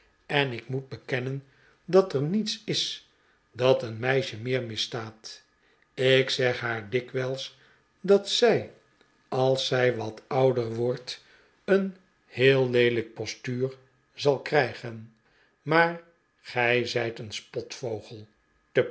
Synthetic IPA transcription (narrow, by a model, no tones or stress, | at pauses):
ɛnɪkmud̚bəkɛnən | dɑtəɹnitsɪs | dɑtənmɛjʃəmɪːɹmɪstaːt | ɪksɛχɦaːɹdɪkʋɛlˠs | dɑtsɛj | ɑlˠsɛjʋɑtɑwdəɹʋɔɹt | ən | hɪːlˠlejdlək̚pɔstyːɹ | zɑlˠkrɛjχən | maːɹ | χɛjzɛjtənspɔtfowχəlˠ | təp